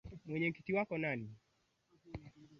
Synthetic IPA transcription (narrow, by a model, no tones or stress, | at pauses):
mwɛɲɛkitiwakɔnani